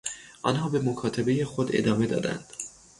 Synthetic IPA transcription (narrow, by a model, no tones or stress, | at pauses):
ʔɒ̰ːnɦɒːbe̞mokʰɒːt̪ʰebe̞jexod̪e̞̰d̪ɒːme̞d̪ɒ̰ːd̪æ̰nd̪̥